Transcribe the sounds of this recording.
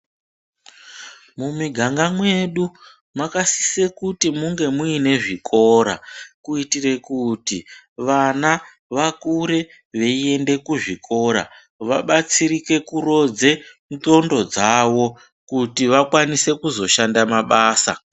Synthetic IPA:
mumiɡʱaŋɡamwe̞ɗu | makasi̥se̞kutimuŋɡe̞muine̞ʐiko̞ɾa̰kuitire̞kutiʋana | ʋakuɾe̞ | ʋe̞ie̞nde̞kuʐikʰo̞ɾa̰ | ʋaɓat͡siɾike̞kuɾo̞d͡ze̞ | nto̞ndo̞d͡zawo̞ | kutiʋakwanise̞kuzo̞ʃandamaɓaːsa̰

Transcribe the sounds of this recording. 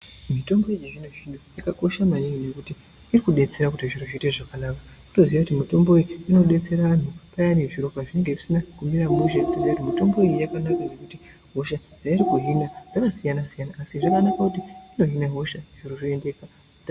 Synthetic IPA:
mito̞mbo̞ejiʐin̤uʐinuikako̞ʃamaniŋine̞kutiː | rikuɗe̞t͡se̞ɾakutiʐiroʐite̞ʐakanaːkaku̥to̞ziʋakutimito̞mbo̞iiino̞ɗe̞t͡se̞ɾaʋan̤upajaneʐiɾo̞kaʐine̞ŋɡe̞ʐisinakumiɾamuʃakutoziʋakutimito̞mbo̞ijiakanakanekuti | ɦoʃad͡zairikuɦinad͡zakasijanasijanaːsiʐakanakakutiino̞ɦinaɦoʃaʐ̥iroʐiendeka

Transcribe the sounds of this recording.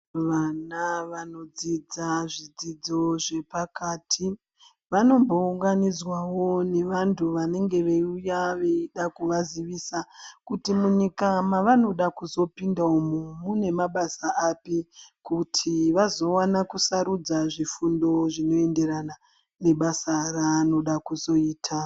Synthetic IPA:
ʋanaʋano̞d͡zid͡zaʐid͡zid͡zo̞ʐe̞pakaːtʰi | ʋano̞mbo̞uŋɡanizwawo̞ne̞ʋantʰuʋane̞ŋɡe̞ʋeujaʋeiɗakuʋaziʋisakutimuɲikamaʋano̞ɗakuzo̞pindaomumune̞maɓasaʔapikutʰiʋazo̞wanakusaɾud͡zaʐifundo̞ʐino̞e̞nde̞ɾana | ne̞ɓasarano̞ɗakuzo̞iːtʰa

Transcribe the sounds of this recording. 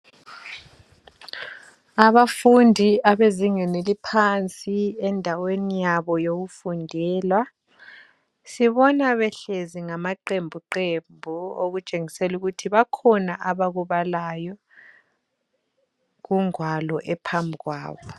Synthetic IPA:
aβafundʱiaβeziŋɛnelipʰant͡sʼiɛndʱawenijaβɔjoɣufundʱɛːlwa | siβɔnaβɛɬeziŋamaǃembʱuǃembʱuo̰ɣut͡ʃʼeŋiseluɣutʰiβakʰɔnaʔaβaɣuβalajɔ | ɣuŋwalɔʔɛpʰambʱiɣwa̰ːβɔ

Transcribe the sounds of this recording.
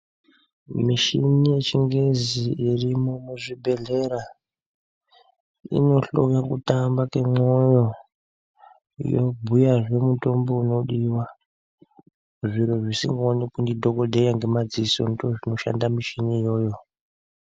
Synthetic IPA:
miʃinije̞t͡ʃiŋɡe̞ziːrimo̞muʐibʱe̞ɮe̞ɾa | ḭno̞ɬo̰kakutambake̞mo̞jo̞ | jo̰bʱujaʐe̞muto̞mbo̞uno̞ɗiwa | ʐiɾoʐisḭŋɡaonekundidʱo̞ko̞dʱejaŋɡe̞mad͡ziso̞̰ndoʐino̞ʃa̰ndamiʃiniːjo̞ːjo̞

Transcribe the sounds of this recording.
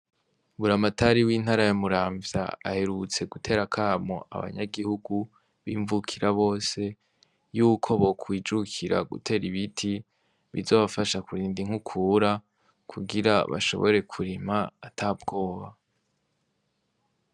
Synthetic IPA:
βuɾamatʰaɾiwiːn̥haɾajamuɾaːɱvja̰a̰he̞ɾut͡se̞ɡutʰe̞ːɾakʰaːmo̰ʔa̰βa̰ɲa̰ɡihuɡu | βiːɱvukʰiɾaβo̞ːse̞ | juːkʰo̞βo̞kʰwiːd͡ʒukʰiɾa̰ɡṵtʰe̞ːɾiβitʰi | βḭzo̞ːβafaʃakuɾiːndiŋ̥hukʰuːɾa | kʰuɡiɾa̰βa̰ʃo̞̰βo̞̰ɾe̞kʰuɾimaːtʰabɡo̞ːβa

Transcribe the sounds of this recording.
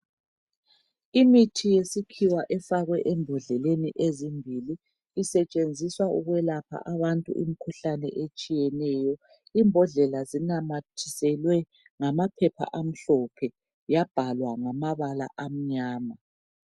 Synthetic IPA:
imitʰijesikʰiwaʔɛfaɣwɛʔɛmbʱɔɮɛleniʔezimbʱiliː | sɛt͡ʃʼend͡zʱiswauɣwɛlapʰa̰ʔaβantʼṵʔḭmikʰuɬanɛ̰ʔet͡ʃʼijɛnɛːjɔ | iːmbʱɔɮɛlazinamatʰisɛlwɛ | ŋamapʰɛpʰa̰ʔam̩ɬɔpʰɛ | jab̥ʱalwaŋamaβala̰ʔam̩ɲaːma

